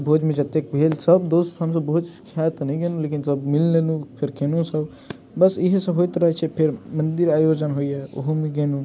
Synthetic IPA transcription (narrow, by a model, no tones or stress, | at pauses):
bʱoːd͡ʒmẽd͡ʒɐt̪ek̚bʱeːlsɐbd̪oːst̪ɦɐms̬ɐbəɦut̪kʰjaːt̪nɐĩɡenuleːkɪnsɐbmɪlneːnũpʰɪɾkʰeːnũsəb | bɐsɪɦsɐɦojt̪ɾɐɦt͡ʃʰepʰɪɾmɐ̃nd̪ɪɾaːjoːd͡ʒənɦoiɛo̰ɦomẽɡeːnũ